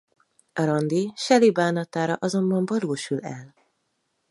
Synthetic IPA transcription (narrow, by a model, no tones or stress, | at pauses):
ɒɾɒnd̪iʃɛlibaːnɒt̪aːɾɒʔɒzo̞mbɒɱbɒɾuːʃulɛ̰l